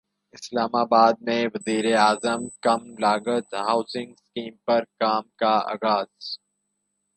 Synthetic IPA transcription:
ɪslaːmaːbaːd̪̚mẽʋɐziːɾeaːzəmkɐmlaːɡət̪ɦaːʊsɪ̃ŋɡskiːmpɐɾkaːmkaa̰ːɣaːz̥

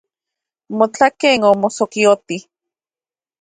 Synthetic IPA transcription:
mot͡ɬakeːŋomosokiot̪i

